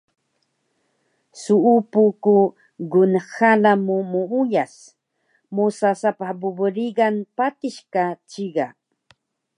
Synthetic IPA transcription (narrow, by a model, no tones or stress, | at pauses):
suupuku | ɡʊnxalamumuujas | mosasapahbʊbɾiɡanpat̪ɪʃkat͡ʃiɢa